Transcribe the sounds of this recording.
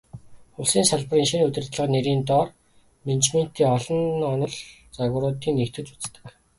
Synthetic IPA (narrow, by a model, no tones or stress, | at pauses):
ʊɮsiːnsaɮpə̆riːŋʃinut̪ʲɘ̆rt̪ɮə̆qneɾiːnt̪ɔr | ment͡ɕmen̥t̪iːŋɔɮɞ̆nɔnɞ̆ɮ | t͡saɣʊ̆ɾʊːt̪iːŋnekt̪ʰɘ̆t͡ɕu̥t͡st̪ə̥̆k